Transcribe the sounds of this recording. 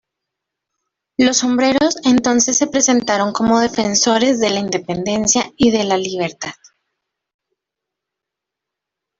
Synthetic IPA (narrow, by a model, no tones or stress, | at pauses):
lo̞so̞mbɾe̞ɾo̞se̞nt̪o̞nse̞sːe̞pɾe̞se̞nt̪aɾo̞ŋko̞mo̞ðe̞fe̞nso̞ɾe̞zðe̞laind̪e̞pe̞nd̪e̞nsjaiðe̞laliβ̞e̞ɾt̪að